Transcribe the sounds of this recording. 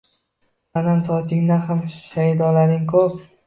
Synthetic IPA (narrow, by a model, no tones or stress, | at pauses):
sanamt̪ʰɒt̪ɪŋnahamʃajd̪ɒlaɾɪŋkʰɵp̚